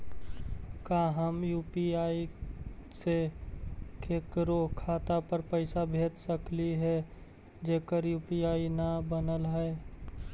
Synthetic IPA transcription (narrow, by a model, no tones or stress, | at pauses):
kaːɦəmjuːpiaːi | se | kʰeːkɾokʰaːt̪apəɾpəɪsabʱeːt̪səkliɦɛ | d͡ʒeːkəɾjuːpiaːinabənəlɦɛː